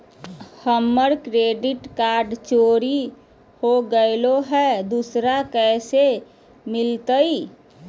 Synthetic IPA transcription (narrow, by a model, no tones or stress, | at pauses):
həmːəɾkɾeːɖɪʈkaːɾɖt͡ʃoɾi | hoɡəeloɦɛd̪usɾakɛːse | mɪlt̪əi